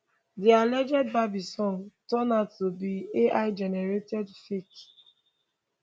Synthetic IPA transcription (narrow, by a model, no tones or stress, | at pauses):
dialɛd͡ʒɛd̚babisɔ̃ntɔnatːobieʔaɪd͡ʒɛnɛɹetɛdfik